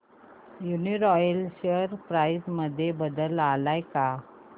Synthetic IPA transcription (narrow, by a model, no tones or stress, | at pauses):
juniɾɔjəlɕəɾpɾaisməd̪ʱːjebəd̪əlalajka